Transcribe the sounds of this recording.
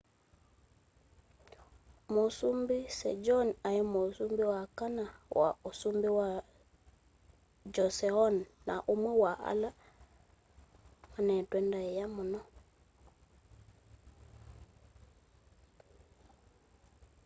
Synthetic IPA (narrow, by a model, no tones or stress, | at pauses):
mosumbisɛ̰d͡ʒɔnajɛmosumbiwakanawa̰osumbiwa | d͡ʒɔsɛɔnːa̰ʔomwɛwaʔa̰la | manɛtwɛndaɛjamɔnɔ